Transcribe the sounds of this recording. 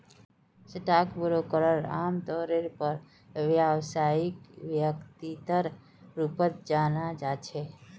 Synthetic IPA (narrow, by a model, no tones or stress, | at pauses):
sɪʈ̪akbəɾokəɾəɾa̰ːmd̪ɔɾeɾpəɾ | ʋjawsaɪkʋjəkt̪it̪əɾ | ɾupət̪̚d͡ʒanad͡ʒat͡ʃʰe